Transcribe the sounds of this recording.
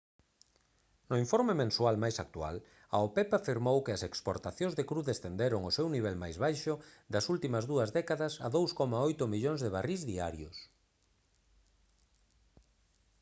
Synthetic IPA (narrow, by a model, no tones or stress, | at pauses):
nʊiɱfoɾmemẽnswalmajsak̚t̪ua̰l | aopɛpafiɾmowkɪɐsekspo̰ɾt̪aθjõŋzðekɾuðest̪end̪eɾʊŋosewniβɛlmajzβajʃʊd̪ɐsult̪imɐzðuɐzðɛkaðɐsɐ̰ðowskɔmaojt̪ʊmiʎoŋzðeβarizðiaɾjʊs